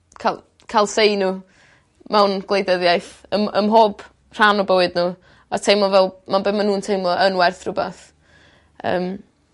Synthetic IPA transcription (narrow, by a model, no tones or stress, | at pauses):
kʰal | kʰalˠsejnu | mɛwnɡ̥lˠejdəðjajθəməmɦoːb̥ | r̥anɔbəwɨdnuː | ɔtʰejmlˠɔvɛlˠmanbemanuːntʰejmlˠɔʔənwɛrθrʊbaθ | ə̰ːm